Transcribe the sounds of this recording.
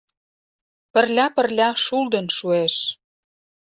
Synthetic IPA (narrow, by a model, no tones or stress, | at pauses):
pə̆rlʲɑpə̆rlʲɑʃuld̪ə̆nʃueʃ